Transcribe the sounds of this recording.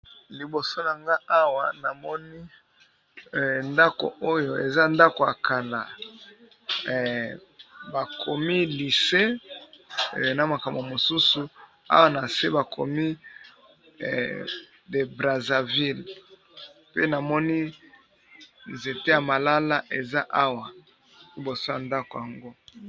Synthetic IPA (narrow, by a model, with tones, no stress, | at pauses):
li˨bo˨so˦na˨ŋɡa˦a˦wa˨na˨mɔ˦ni˦˨ | nda˦ko̰˨ʔo˦jo˨e˨za˦nda˦ko˨a̰˨kʰa˨la̰˨ | ba˨kʰo˨mi˦li˨se˦˨ | na˨ma˨ka˨mbmo˨su˦su˨ | a̰˦wa˨na˨se˦ba˨kʰo˨mi˦˨ | de˨bʁa˨za˨vi˦l | pḛ˦na˨mɔ˦ni˦ | nze˨te˦ja˨ma˨la˦la˦ʔe˨za˦ʔa˦wa˨ | i˦bo˨so˦ja˨nda˦ko˨ja˨ŋɡo˦